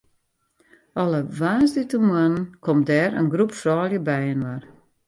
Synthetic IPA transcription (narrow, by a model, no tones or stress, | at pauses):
ɔləʋaːnzditəmuənənkʰɔmdɛːɾə̰nɡrupfrɔːlˠjəbɛjənwər